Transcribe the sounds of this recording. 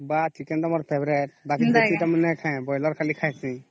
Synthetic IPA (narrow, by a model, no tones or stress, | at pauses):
bat͡ʃikɛntamɔɾpʰebɾɛt̚bakidɔpitamanɛkʰãjbɔjlɔɾkʰalikʰajsĩ